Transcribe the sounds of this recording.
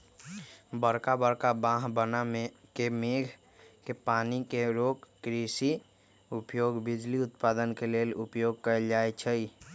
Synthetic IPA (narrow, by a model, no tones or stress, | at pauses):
bəɾkabəɾkabãɦbənamekemeɡʱ | kepanikeɾokːɾisi | upjoɡbid͡ʒliʊt̪pad̪ənkelelupjoɡ̚kəeld͡ʒajt͡ʃʰəj